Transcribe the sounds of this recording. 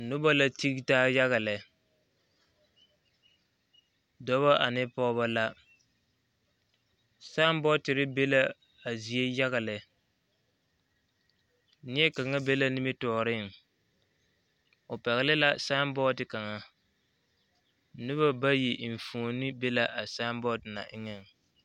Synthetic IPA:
nʊ˦ba˦la˦ti˦ktaː˦ja˦ɣa˨lɛ˨ | dɔ˦βa˦ʔa˨nɪ˦pɔː˦ba˦la˦ | saː˦mbɔ˦tɪ˨ɾɪ˦be˦la˦ | a˨zi˨e˦ja˦ɣa˨lɛ˨ | nɪ˦ɛ˦ka˨ŋa˦be˦la˦nɪ˦mi˦tɔː˨ɾɪ˦˨ŋ | ʊ˨pɛ˨ɣɪ˨lɪ˦la˦sa˦mbɔ˦dɪ˨ka˨ŋa˨ | nɪ˦βa˦ba˦ji˨ʔɱ˨fu˨nɪ˦be˦la˦ʔa˨sa˦mbɔ˦dna̰˨ʔɪ˦ŋɛ˦˨ŋ

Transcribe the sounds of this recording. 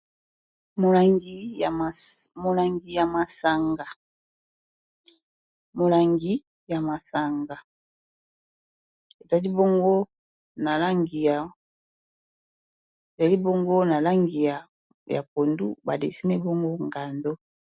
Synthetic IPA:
mo˨la˨ŋɡi˨ | mo˨la˨ŋɡi˨ja˨ma˨sa˨ŋɡa˨ | mo˨la˨ŋɡi˦ | ja˨ma˨sa˨ŋɡa˨ | e˨ta˨li˦bo˦ŋɡo˦ | na˨la˦ŋɡi˨ja˨ | e˨ta˨li˦bo˦ŋɡo˦na˨la˦ŋɡi˨ja˨ | ja̰˨po˨ndṵ˦ba˨dḛ˨si˦nɛ˦bo˦ŋɡo˦ŋɡa˨ndo˦

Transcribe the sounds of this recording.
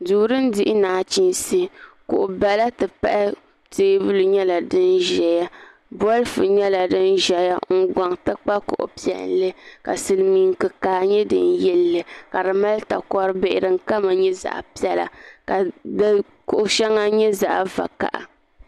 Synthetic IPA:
duː˨ɾɨ˦n˦dɪ˦ʔɪ˦naː˨t͡ʃi˦nsi˦kʊ˨ʔʊ˨ba˨la˦tɨ˨pa˦ʔɪ˦ | teː˦bɨ˦lɨ˨ɲɛ˦la˨dɨ˦nʒɛ˨ja˦ | bɔ˦lfɨ˨ɲɛ˦la˨dɨ˦nʒɛ˨ja˦ŋ̩˨ɡʷa˨ŋtɨ˦k͡pa˦kʊ̰˨ʔʊ̰˨pi˦ɛ̰˨n˦lɨ˦ka̰˨sɨ˨lmiː˨ŋkɨ˨kaː˨ɲɛ˦dɨ̰˨n˦jɛ˦lːɨ˨ka˨dɨ˨ma˦lta˨kɔ˦ɾɨ˦be˦˨ʔɪ˨ɾɨ˨ŋ̩˦ka˦ma˨ɲɛ˦za̰˨ʔpi˦ɛ˦la̰˨ka˨d | kʊ˨ʔʊ˨ʃɛ˦ŋːa˦ɲɛ˦za̰˨ʔva̰˨ka̰˨ʔa̰˨

